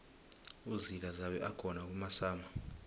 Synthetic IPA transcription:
uzilazaɓɛʔakʰɔnak̬ʼumasaːma

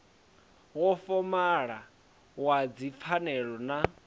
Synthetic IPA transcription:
ɣɔfɔmaɺa | wad͡zip̪fʰanɛɺɔna

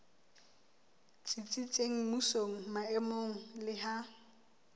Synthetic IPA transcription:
t͡sʼit͡sʼit͡sʼeŋ̩musoŋ̩maɛmoŋ̩lɪɦa

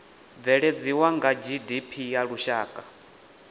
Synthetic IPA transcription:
vɛɺed͡ziwaŋɡad͡ʒidipʰijaɺuʃaːkʼa

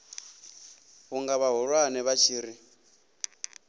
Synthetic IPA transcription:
ɣuŋɡaβaɦuɺwanɛβat͡ʃʰiːɾi

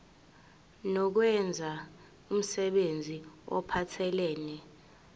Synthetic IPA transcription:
nɔk̬wɛnd͡zʱa | um̩sɛɓend͡zʱiɔ̰pʰatʰɛlɛːnɛ

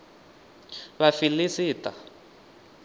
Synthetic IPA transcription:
βafilisiːta

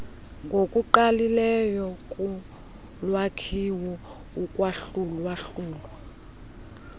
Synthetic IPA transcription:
ŋɡʱokʼuǃalilɛjɔkʼu | lwakʰiwɔ | ukʼwaɬulwaɬuːlwɔ

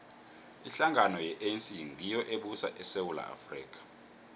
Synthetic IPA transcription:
iɬaŋanɔjɛʔensiŋijɔʔeɓusaʔɛsewula̰ʔa̰frḭːk̬ʰʼḁ

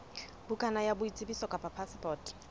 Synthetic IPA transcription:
bukʼanajabʊit͡sʼɪbisɔkʼapapʰaspʰʼɔːtʼ

